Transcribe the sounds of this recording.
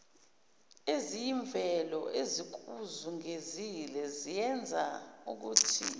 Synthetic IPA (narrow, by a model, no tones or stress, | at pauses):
ezijiɱbvʱɛlɔʔezik̬uzuŋezilɛzijɛnd͡zʱauk̬uːtʰḭ